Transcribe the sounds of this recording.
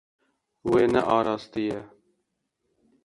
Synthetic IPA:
weːnɛ̰ʔɑːɾɑːst̪ijɛ

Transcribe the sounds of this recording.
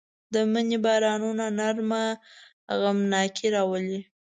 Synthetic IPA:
d̪əmənibɑɾɑnunanaɾma | ɣamnɑkʰiɾɑwəli

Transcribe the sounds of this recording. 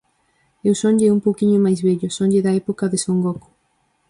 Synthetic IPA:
ewsoɲʎeumpowkiɲʊmajzβɛʎʊsõɲʎɪðɐɛpokaðesoŋɡok

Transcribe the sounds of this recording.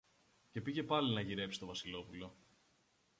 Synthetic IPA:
ce̞piʝe̞pɐlinɐʝiɾe̞psi̥st̪o̞vɐsilo̞pulo̞

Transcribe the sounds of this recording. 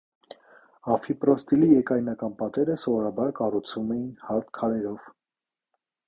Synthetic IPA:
ɑfipɾɔst̪ilijɛkɑjnɑkɑnpɑt̪ɛɾəsɔvɔɾɑbɑɾkɑrut͡sʰvumɛjinhɑɾt̪kʰɑɾɛɾɔv̥

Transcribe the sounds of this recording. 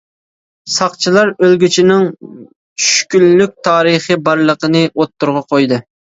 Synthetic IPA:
sɑqt͡ʃʰilˠɑɾølɡʲyt͡ʃʰinɪŋ | t͡ʃʰy̥ʃkʲynlyk̚ʲt̪ʰɑːɾəχəbɑɾlˠəqənɨʔot̪ːuɾʁɑqʰojd̪ɨ

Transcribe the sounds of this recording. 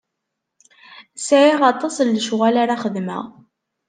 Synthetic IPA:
sʕiʁɑt̪ˤːɑsˤlːʃʁælaɾaχəd̪mə̰ʁ

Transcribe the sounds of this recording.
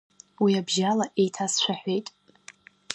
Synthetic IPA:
wiabʒalaʔejtʰast͡ʃʷʰaħʷejtʼ

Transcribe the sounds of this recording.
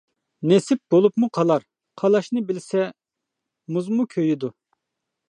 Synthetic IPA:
nesɪp̚b̥olˠupmuqʰɑlˠɑɾ | qʰɑlˠɑʃnɨbɪlsɛ | muzmukʲʰøjid̪u

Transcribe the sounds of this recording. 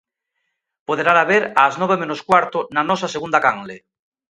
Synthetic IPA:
poðeɾaɾaβeɾaːznoβ̞emenoskwaɾt̪onanɔsaseɣ̞und̪akaŋle

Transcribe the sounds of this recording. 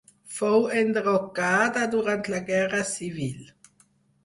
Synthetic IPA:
fowɛnd̪ʁokaːd̪ad̪uʁant̪laɡɛʁasivil

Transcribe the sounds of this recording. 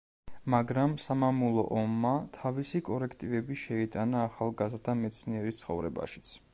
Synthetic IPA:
maɡɾamsamamulˠɔ̰ʔɔmːat̪ʰavisikʼɔɾɛkʰt̪ʼivɛbiʃɛit̪ʼanaːχalˠɡazɾd̪ʰamɛt̪sʰniɛɾist̪sχɔvɾɛ̰ba̰ʃi̥t̪sʰ

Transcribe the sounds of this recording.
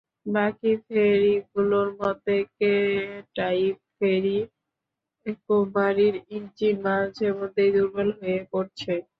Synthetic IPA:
bakifeɾiɡuloɾmɔd̪ʱekeʈajip̚feɾi | ekobaɾiɾind͡ʑimad͡ʑemod̪ʱːejd̪uɾbalɦojepoɾt͡ɕʰe

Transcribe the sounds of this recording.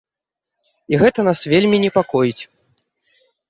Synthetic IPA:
iɣɛt̪ɐnasvʲelʲmʲinʲɛpakɔjit͡sʲ

